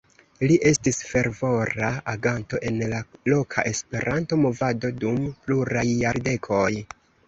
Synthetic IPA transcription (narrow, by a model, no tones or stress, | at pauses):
liʔe̞stisfe̞ɾvo̞ɾaʔaɡanto̞ʔe̞nlalo̞kʰa̰ʔe̞spe̞ɾanto̞mo̞vado̞dumpluɾajːaɾde̞kʰo̞j